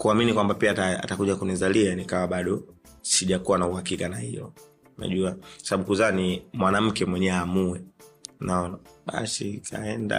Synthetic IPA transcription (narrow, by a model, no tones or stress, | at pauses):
kuaminikwambapiataa̰takuʄakunizalianikawaɓaɗɔ | siʄakuwanauhakikanahilɔ̰ | na̰ʄuakwasaɓaɓukuzaːnimwanam̩kɛmwɛɲɛamuɛnaɔnaɓa̰sikʰa̰ɛnda̰